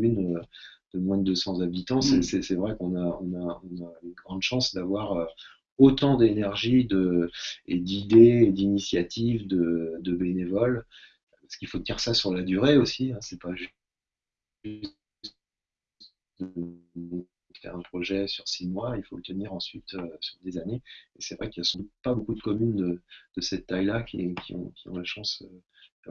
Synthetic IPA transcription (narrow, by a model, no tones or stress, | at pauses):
mynd̪̥əmwɛ̃d̪d̪əsɑ̃zabit̪ɑ̃sɛsɛsɛvʁɛkɔ̃naɔ̃naɔ̃naynɡʁɑ̃d̪ʃɑ̃sd̪avwaʁø | ot̪ɑ̃d̪enɛʁʒid̪əed̪id̪eːd̪inisjat̪ivd̪əd̪əbenevɔl | paskilfot̪iʁsasyʁlad̪yʁeosiɛ̃sɛpaʒ | s | t̪ | d̪̃ | əfɛ̰ʁɛ̃pχɔʒɛsyʁsimwailfoət̪əniʁɑ̃sɥit̪øsyʁd̪ezaneesɛvʁɛkiljasɑ̃d̪ut̪̚pabokud̪əkɔmynd̪əd̪̥əsɛt̪ːajlakʲʰḭkʲʰḭɔ̰̃kʲiɔ̃laʃɑ̃s | a